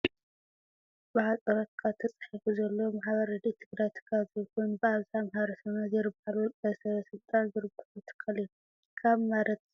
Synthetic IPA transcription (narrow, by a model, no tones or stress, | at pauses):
bɨħat̪ʼɐɾot̪̚kʰat̪ʰɐt͡sʼħifuzɐlːo̞maħβɐɾɐd̪it̪ʰɨɡɾajt̪ʰɨ̥kʰːazɨkunbɨaβzamɦaɾɐsɐnazɨɾɨbaluajsɐβɐsɨlt̪ʼanzɨɾɨbɐlut̪ʰɨ̥kʰːɐliju | kʰaβmaɾɐt̪